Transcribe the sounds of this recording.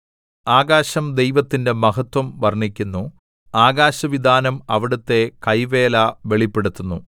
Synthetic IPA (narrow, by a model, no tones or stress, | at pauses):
aːɡaːɕɐmd̪e̞jʋɐt̪ːinde̞mɐɦɐt̪wɐmʋɐrɳikʲːunːu | aːɡaːɕɐʋid̪ʱaːnɐmɐʋiɽut̪ːe̞kɐjʋe̞ːlaʋe̞ɭipːe̞ɽut̪ːunːu